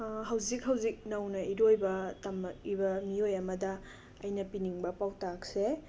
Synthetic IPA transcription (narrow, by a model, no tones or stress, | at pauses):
ɦɐwzik̚hɐwzik̚nɐwnɐiɾojbɐtɐmɐk̚ibɐmiojɐmɐdɐ | ɐjnɐpiniŋbɐpawtak̚se